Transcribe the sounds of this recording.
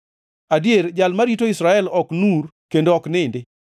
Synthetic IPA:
adjeɾd͡ʒalmaɾitoisɾaɛlɔknuɾkendoɔknɪndɪ

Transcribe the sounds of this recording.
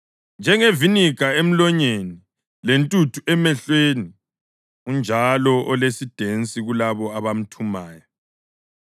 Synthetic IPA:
nd͡ʒʱɛŋevinikaem̩lɔɲeni | lentʼutʰuʔɛmɛɬweni | und͡ʒʱalɔʔɔlesid̥ʱent͡sʼiɣulaβɔaβam̩tʰumaːjɔ

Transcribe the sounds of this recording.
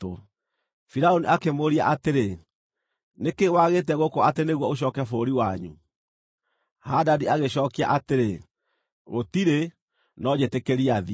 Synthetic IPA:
o | fiɾaoniʔakemoɾia̰ʔateɾe | nekewaɣet̬ɛɣokɔateneɣwɔoɕ̬ɔːkɛfoɾiwaɲṵ | hadadiaɣeɕɔːkia̰ʔateɾe | ɣotiɾe | nɔd͡ʑetekeɾiaði

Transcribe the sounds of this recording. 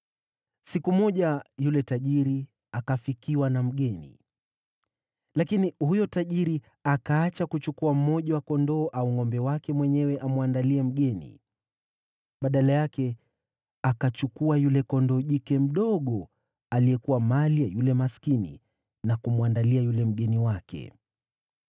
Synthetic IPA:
sikumɔʄajulɛtaʄiɾi | akafikiwanam̩ɠɛnḭ | lakinihujɔtaʄiɾi | akaːt͡ʃakut͡ʃukuam̩mɔʄawakɔndɔːʔauŋɔmbɛwakɛmwɛɲɛwɛʔamwandaliɛm̩ɠɛnḭ | ɓaɗalajakɛ | akat͡ʃukuajulɛkɔndɔːʄikɛm̩ɗɔɠɔ | alijɛkuwamalijajulɛmaskinḭ | nakumwandaliajulɛm̩ɠɛniwakɛ̰

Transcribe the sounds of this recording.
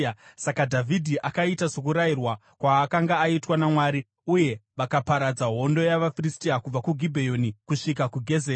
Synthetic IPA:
sakadʱavʱidʱiʔakaitasokuɾajirwa | kwaːkaŋɡaːitwanamwaːɾi | uje̞ʋakapaɾad͡zaɦo̞ndo̞jaʋafiristiakub͡vakuɡʱibʱejo̞nikuʂikakuɡʱe̞zeː

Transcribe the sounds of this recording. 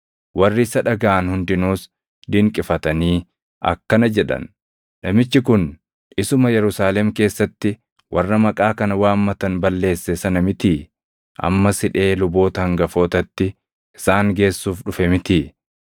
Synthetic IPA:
wʔɐrːɪsɐᶑɐɡaːʔɐnhʊnd̪ɪnuːs | d̪ɪŋkʼɪfɐt̪ɐniː | ʔɐ̰kːɐnɐd͡ʒɛᶑɐ̰n | nɐmɪt͡ʃːɪkʊn | ɪsʊmɐjɛɾʊsaːlɛmke̞ːsːɐt̪ːɪ | wʔɐrːɐmɐkʼaːkɐnɐwaːmmɐt̪ɐnbɐlːe̞ːsːɛsɐnɐmɪt̪i | ʔɐ̰mːɐsɪᶑe̞ːlʊbo̞ːt̪ɐhɐŋɡɐfo̞ːt̪ɐt̪ːɪ | ɪsaːŋɡe̞ːsːuːfᶑʊfɛmɪt̪ɪ

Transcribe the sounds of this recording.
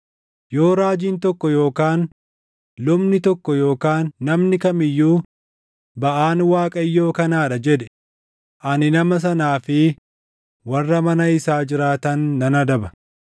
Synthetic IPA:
jo̞ːɾaːd͡ʒiːnt̪ɔkːɔjo̞ːkaːn | lʊmnɪt̪ɔkːɔjo̞ːkaːnːɐmnɪkɐmɪjːuː | bɐʔaːnwaːkʼɐjːo̞ːkɐnaːᶑɐd͡ʒɛᶑ̪ɛ̥ | ʔɐnɪnɐmɐs̬ɐnaːfɪ | wɐrːɐmɐnɐɪsaːd͡ʒɪɾaːt̪ɐnːɐnɐd̪ɐbɐ̥

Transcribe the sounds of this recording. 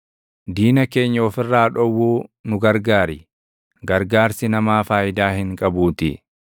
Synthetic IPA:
d̪iːnɐke̞ːɲːɐɔfɪrːaːᶑɔwːuːnʊɡɐɾɡaːɾɪ | ɡɐɾɡaːɾsɪnɐmaːfaːjɪd̪aːhɪŋkʼɐbuːt̪ɪ̰

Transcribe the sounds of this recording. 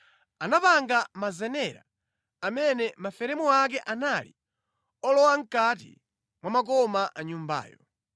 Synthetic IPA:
anapaŋɡamazɛnɛɾa̰ː | mɛnɛmafɛɾɛmuak̬ɛʔanalḭ | ɔlɔwaŋ̩kat̬ḭ | mwamak̬ɔmaʔaɲumba̰ːjɔ

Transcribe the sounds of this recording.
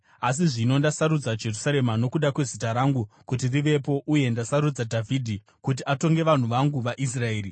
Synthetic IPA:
as̬iʐino̞ndasaɾud͡zad͡ʒe̞rusaɾe̞mano̞kuɗakwe̞zitaɾaŋɡukut̬iriʋe̞po̞ʔuje̞ndasaɾud͡zadʱavʱidʱi | kut̬iato̞ŋɡe̞ʋan̤uʋaŋɡuʋaʔis̬rae̞ːɾi

